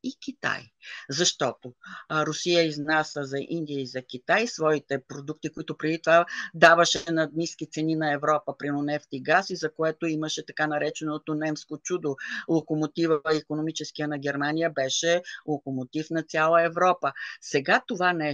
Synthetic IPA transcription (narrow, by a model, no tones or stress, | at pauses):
ikʲit̪a̰jzɐʃt̪ɔt̪oɾʊsijəiznasəzɐʔḭnd̪ʲijəizɐkʲit̪ajsvɔit̪ɛpɾod̪uk̚t̪ikoit̪ʊpɾɛd̪it̪ovad̪avəʃɛnɐd̪niskit̪sɛninɐɛvɾɔpəpɾinonɛft̪iɡasizɐkoɛt̪oiməʃɛt̪ɐkanɐɾɛt͡ʃɛnot̪onɛmskot͡ʃud̪olˠokomot̪ivəəikonomit͡ʃɛskijənɐɡʲɛɾmanijəbɛʃɛlˠokomot̪ifnɐt̪sʲjalˠəɛvɾɔpəsɛɡat̪ovanɛ